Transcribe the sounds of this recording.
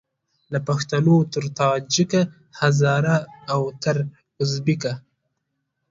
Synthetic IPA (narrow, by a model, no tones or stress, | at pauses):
lapaxt̪anot̪əɾt̪ɑd͡ʒika | hazɑːɾaːwt̪aɾ | ʊzbika